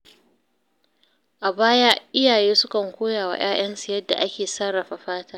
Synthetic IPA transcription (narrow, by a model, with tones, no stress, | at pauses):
ʔa˨baː˦ja˦ʔɪ˦jaː˨jeː˦sʊ˦kɐ˨ŋkʷoː˦jaː˨wa̰˦j̰aː˦j̰ɐ˦nsɪ˨jɐ˦dːa̰˨ʔa˦kʲeː˨sa˦ɾa˨ɸa˨ɸaː˦taː˦